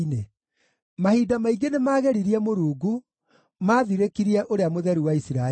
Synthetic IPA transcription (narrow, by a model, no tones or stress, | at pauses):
ne | mahidamaiɡenemaːɣɛɾiɾiɛmoɾuːɡu | maːðiɾekiɾiɛʔoɾeamoðɛɾuwaisiɾa